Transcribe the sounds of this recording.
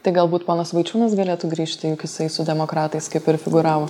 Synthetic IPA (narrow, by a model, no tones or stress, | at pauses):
t̪ɐɪɡɐlˠbuːt̪poːnɐsʋɐɪt͡ʃʲuːnɐsɡɐlʲeːt̪uːɡɾʲiːʃʲt̪ʲɪjuːkʲɪsɐɪsʊd̪ʲɛmoːkɾɑːt̪ɐɪskɐɪpɪɾfʲɪɡʊɾɑːʋoː